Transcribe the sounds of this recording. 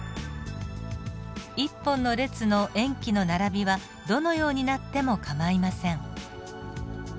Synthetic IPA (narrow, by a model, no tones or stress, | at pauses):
ipːõ̞nːo̞ɾe̞t͡sɨno̞ʔẽ̞ŋkʲino̞naɾabʲiβa | d̪o̞no̞jo̞ːɲ̟inat̪ːe̞mo̞kamaimasẽ̞ɴ